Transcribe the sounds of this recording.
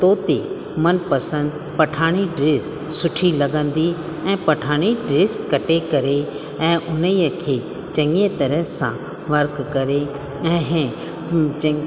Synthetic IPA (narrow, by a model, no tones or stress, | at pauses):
t̪oːt̪e | mɐnpɐsə̃nd̪ | pɐʈʰaːɽ̃iɖɾeːs | sʊʈʰilɐɡə̃nd̪i | ɛ̃ːpɐʈʰaːɽ̃iɖɾeːskɐʈekɐɾe | ɛ̃ːʔʊnijəkʰeː | t͡ɕɐ̃ŋɡẽt̪ɐɾəɦsã̰ | ʋɐɾkkɐɾe | ɛ̃ːɦ